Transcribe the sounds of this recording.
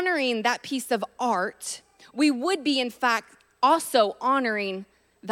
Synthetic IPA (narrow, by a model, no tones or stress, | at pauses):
nə˞ɪ̃ŋðɨt̚pʰisʌvʔɑɹt | wiwəd̚biɨ̃nfæk̚t̚ | ɔlˠsoʊʔɑnə˞ɪ̃ŋ | ð